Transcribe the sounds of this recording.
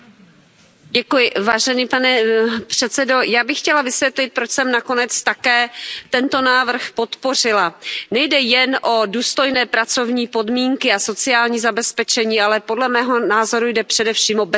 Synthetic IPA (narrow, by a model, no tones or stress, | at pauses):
ɟɛkujɪvaːʒɛniːpanɛpr̝̥ɛt̪t͡sɛdo̞jaːbɪxxcɛlavɪsvjɛt̪lɪt̪̚pɾot͡ʃsɛmnako̞nɛt͡st̪akɛːt̪ɛnt̪o̞naːvr̩xpo̞t̪po̞r̝ɪlanɛjdɛjɛnʔo̞duːst̪o̞jnɛːpɾat͡so̞vɲiːpo̞dmiːŋkɪaso̞t͡sɪaːlɲiːzabɛspɛt͡ʃɛɲiːʔalɛpo̞dlɛmɛːɦo̞naːzo̞ɾujdɛpr̥ɛdɛfʃiːmʔob